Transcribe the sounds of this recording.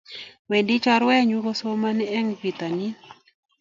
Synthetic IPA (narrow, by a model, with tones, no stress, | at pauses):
we˨ndi˦t͡ʃɔ˦ɾwɛ˦ɲu˦ko˦so˦ma˦nɛ˦ɛ˦ŋvi˨t̪a˨ni˦